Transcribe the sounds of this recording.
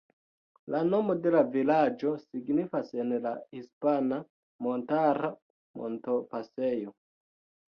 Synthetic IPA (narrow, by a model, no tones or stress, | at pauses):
lano̞mo̞de̞lavilad͡ʒo̞siɡnifase̞nlahispana | mo̞ntaɾa | mo̞̰ntopase̞jo̞